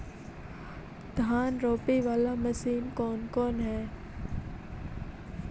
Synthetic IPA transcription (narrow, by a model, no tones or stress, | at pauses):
d̪̥ʱaːnɾoːpiʋaːlamɐsiːnkɔːnkɔːnɦɛː